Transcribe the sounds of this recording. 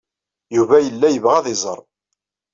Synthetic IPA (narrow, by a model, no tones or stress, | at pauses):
juvæjəlːæjəvʁæðɪzˤə̰ɾˤ